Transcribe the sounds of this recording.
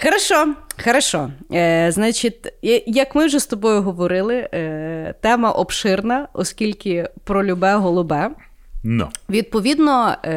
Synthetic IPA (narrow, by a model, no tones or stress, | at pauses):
xeɾɐʃɔxeɾɐʃɔznat͡ʃit̪ʲjɐkmɪwʒɛst̪ɔbɔjʊɦɔʋɔɾɪlˠɪ | t̪ɛmɐʔɔpʃɪrnɐɔskʲilʲkɪpɾɔlʲʊbɛɦɔlˠʊbɛ | nʊ̰ʋʲid̪̚pɔʋʲid̪nɔ